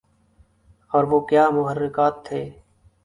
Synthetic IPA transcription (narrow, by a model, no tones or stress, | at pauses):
ɔːɾʋoːkjaːmʊɦərːɪkaːt̪ʰːeː